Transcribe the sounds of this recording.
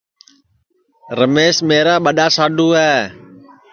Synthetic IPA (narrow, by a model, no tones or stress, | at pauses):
ɾəmeːsmeːɾaːɓəɗaːsaːɗuːɛː